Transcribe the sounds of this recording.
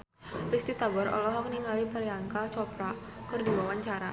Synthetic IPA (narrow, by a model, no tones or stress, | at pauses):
rist̪it̪aɡɔɾɔ̰lɔɦɔk̚niŋalipəɾjaŋkat͡ʃɔpɾakɨrdiwawaɲt͡ʃaɾa